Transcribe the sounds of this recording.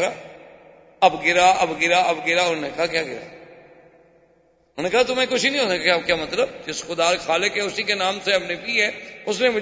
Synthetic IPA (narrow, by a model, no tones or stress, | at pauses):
ɾaː | ɐbɡɪɾaːʔɐbɡɪɾaːɐbɡɪɾaːʊnnekɐɦakjaːɡɪɾa̰ː | ʊneːkɐɦat̪ʊmẽːkʊt͡ʃʰinĩɦoːt̪kjaːkjaːmɐt̪ləbd͡ʒɪsxʊd̪aːɾkxaːlɪkɦɛːʊsikenãːmseɐmnepiːɦɛːʊsnẽːmʊ